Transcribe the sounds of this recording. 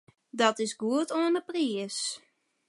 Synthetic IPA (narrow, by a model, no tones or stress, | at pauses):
dɔtɪsɡuətoənəpriəs